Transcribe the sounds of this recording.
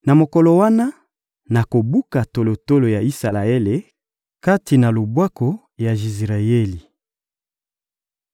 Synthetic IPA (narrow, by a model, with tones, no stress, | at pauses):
na˨mo˨kɔ˨lɔ˨wa˦na˦ | na˨ko˨bu˦ka˨to˨lo˨to˦lo˨ja˨i˦sa˨la˨e˦le˨ | ka˦ti˨na˨lo˨bwa˦ko˨ | ja˨i˨zʁa˨je˦li˨